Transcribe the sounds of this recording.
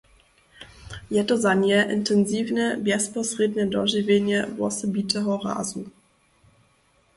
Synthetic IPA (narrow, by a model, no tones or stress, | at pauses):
jɛtɔzaɲɛʔɪntɛnziːvnɛbjɛspɔsɾɛd̪nɛdɔʒivʲjɛɲɛvɔ̰sɔbitɛɦɔra̰ːzu